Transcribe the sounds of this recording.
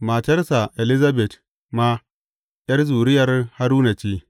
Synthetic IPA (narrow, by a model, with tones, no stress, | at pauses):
ma˨t͡ʃɐ˦ɾsa˨ʔe˨li˦za˦bɛ˨t | ma˦ | jɐ˦rzuː˨ɾɪ˦jɐ˨rha˦ɾuː˦na˨t͡ʃiː˦